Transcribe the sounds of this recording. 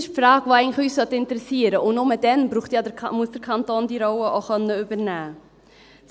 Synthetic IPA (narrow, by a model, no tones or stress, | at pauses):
ɪʃpfɾɑːɡ̥ʋoːɛɪɡŋnlχyːssœt̪ɪntəɾɛsiəɾəʔʊnnomədɛnbɾuːχtjɑdmuəsd̥əɾkʰɑntoːndiɾɔwəʔoχœnːəybəɾnæː | t͡s